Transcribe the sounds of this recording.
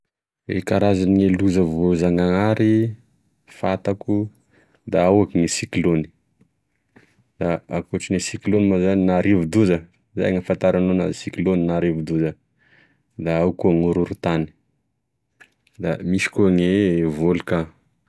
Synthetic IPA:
ḛkaɾazanieluzəvozaŋaŋaɾi | fat̪aku | d̪aawakiŋisikloni̥ | d̪̥aakuʈ͡ʂinesiklonimazaninaɾivud̪uzə | za̰jaŋafant̪aɾanona̰zisikloninaɾivud̪uzə | d̪aawkuaŋuɾuɾut̪ani̥ | d̪amiʃi̥kuaŋevoluka

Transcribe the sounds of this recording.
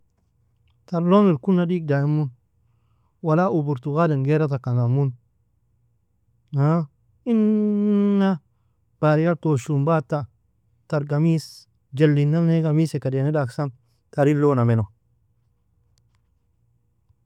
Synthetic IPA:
taɾlonilkunːadik̚dajimun | walaʔubuɾtuɣadenɡeɾat̬akanamun | ha | inː | a | b̥aɾijaɾtoʃumbata | taɾɡamis | d͡ʒelːinːaneɡamisekadenedaksan | taɾilonameno

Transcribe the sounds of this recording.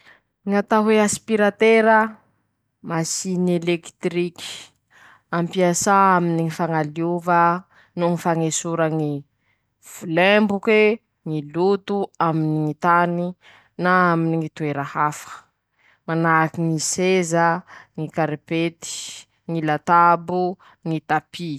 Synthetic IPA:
ŋat̪aɦweaspiɾat̪eɾə | masinelekt̪ɾikʲi̥ | ampiasaaminiŋifaŋaliuvə | nuŋifaŋesuɾəŋi | v̥ulɛmbuke | ŋilut̪uaminiŋit̪ani | naaminiŋit̪ueɾəhafə̥ | manakiŋisezəŋikaɾepet̪i̥ | ŋilat̪abu | ŋit̪api

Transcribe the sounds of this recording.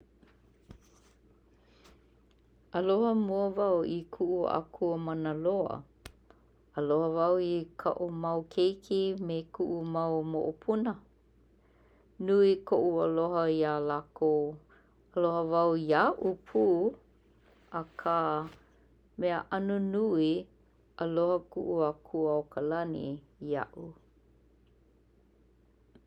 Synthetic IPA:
ʔəlohəmuəvawikʰuʔṵʔa̰kʰuəmanəloə̰ | əlohəvawikʰa̰ʔumɐwkʰejkʰimekʰuʔumawmo̰ʔopʰunə | nuikoʔuəloɦəialako | əlohəvawjaʔupʰu | əkʰa | mɛəʔanunui | əlohəkuʔuakʰuawkʰəlanḭ | a̰ʔu

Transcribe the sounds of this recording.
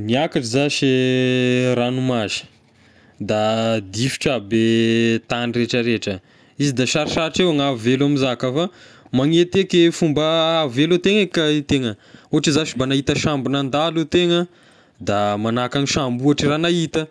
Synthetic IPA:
niakaʈ͡ʂizaʃi | ɾanumazi̥ | d̪ad̪ifi̥ʈ͡ʂabet̪anireʈ͡ʂəɾeʈ͡ʂə | izid̪aʃaɾiʃaɾiʈ͡ʂewaŋavelamizakafa | maŋet̪ekefumbəːvelut̪eŋekat̪eŋəuɦaʈ͡ʂizaʃibanaɦit̪əʃambunand̪alut̪eŋə | d̪amanakaŋiʃambuaʈ͡ʂiranait̪ə

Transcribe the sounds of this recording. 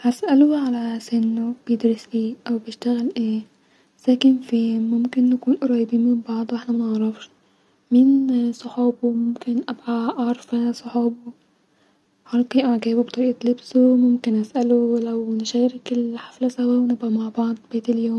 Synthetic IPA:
hæsʔæloʕalæsenːob̥ejed̪ɾesliːʔæwbejeʃt̪æɣælʔeː | z̥æːkenfiːmomkenːækuːnʔoɾˤɑjebiːnmɪmbɑʕd̪ˤʔeħnæmænɑʕɾˤɑfʃ | miːnsˤoħuːbomomkenʔæbʕaʔɑɾˤfæsˤoħuːbo | ħɑɾkiʔaʕɡæːbobt̪ˤɑɾiːʔæt̪lebsomomkenʔæsʔælolæwnʃæːɾekelħaflæsæwæwenebʔæmaʕbɑʕd̪ˤb̥eːt̪eljoːm

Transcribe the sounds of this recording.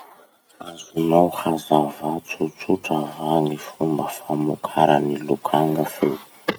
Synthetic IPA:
azunawhazavat͡sut͡suʈ͡ʂavaŋifumbəfamukʰaɾənilukʰaŋəfe

